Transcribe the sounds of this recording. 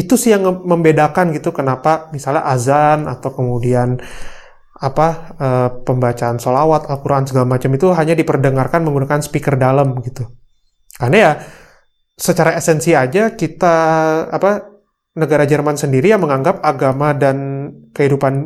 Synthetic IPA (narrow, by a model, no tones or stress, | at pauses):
it̪usɪhjaŋməmbedakanɡit̪ukənapamisalɲa̰ʔazanat̪awkəmudian | apaəːpəmbat͡ʃaːnsolawat̪alkuɾaʔansəɡalamat͡ʃamit̪uɦaɲadipərdəŋarkanməŋɡunakansə̥pikərdalamɡit̪u | karnaja | sət͡ʃaɾaɛsɛnsiad͡ʒakit̪aapa | nəɡaɾad͡ʒərmansəndiɾijaŋməŋaŋɡap̚aɡamadankəhidupan